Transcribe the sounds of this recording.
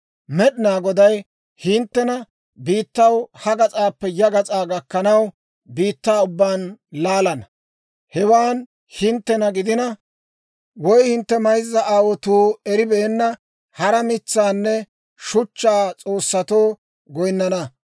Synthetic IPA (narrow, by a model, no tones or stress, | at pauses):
mɛɗɪnaːɡɔd̪ɐj | hɪnt̪ːɛnɐ | biːt̪ːɐwhɐɡɐt͡sʼaːpːɛjɐɡɐt͡sʼaːɡɐkːɐnɐw | biːt̪ːaːʊbːaːnlaːlɐnɐ | hɛwaːn | hɪnt̪ːɛnɐɡɪd̪ɪnɐ | wɔjhɪnt̪ːɛmɐjzːɐʔaːwɔt̪uːɛɾɪbɛːnːɐ | hɐɾɐmɪt͡sːaːnːɛ | ʃʊt͡ʃːaːt͡sʼo̞ːsːɐt̪o̞ː | ɡɔjnːɐnɐ